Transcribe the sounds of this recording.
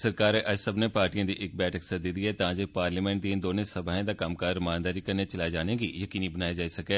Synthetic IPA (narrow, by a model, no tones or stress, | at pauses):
səɾkaːɾɛːʔəd͡ʒsəbneːpaːɾʈijãːd̪iːʔɪk̚bɛːʈʰəksəd̪id̪iːɦɛːt̪ãːd͡ʒeːpaːɾliːmɛ̃ːɳʈd̪iẽd̪oːnẽːsəbʱaːɦẽːd̪aːkəmkaːɾmaːnd̪aːɾiːkəɾneːt͡ʃəlaːjd͡ʒaːnẽːɡiːjəkiːniːbənaːjad͡ʒaːisəkɛː